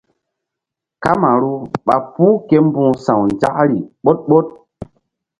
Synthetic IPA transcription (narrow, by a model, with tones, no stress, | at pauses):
ka˦ma˨ɾu˦ɓa˨pu˦ke˦m˦bũ˦˨sã˨wnd͡ʒa̰˦ʔɾi˨ɓo˦t̚ɓo˦t̚